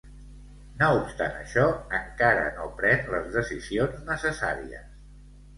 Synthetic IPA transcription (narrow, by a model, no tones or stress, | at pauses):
noupst̪a̰nə̰ʃɔəŋkaɾə̰nopɾɛnləzðəsizionznəsəsa̰ɾiə̰s